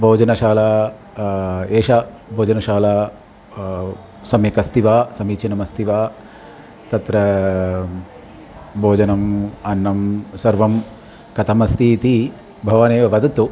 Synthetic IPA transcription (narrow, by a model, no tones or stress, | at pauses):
bʱoːd͡ʒɐnɐʃaːlaː | eːʃa | bʱoːd͡ʒɐnɐʃaːlaː | sɐmjɐkɐst̪ʰiʋaːsɐmiːt͡ʃɐnɐmɐst̪ʰiʋaː | t̪ɐt̪ɾɐ | bʱoːd͡ʒɐnɐmɐnːɐmsɐɾʋɐm | kɐt̪ʰɐmɐst̪ʰiːt̪i | bʱɐʋɐneːʋɐʋɐd̪ɐt̪u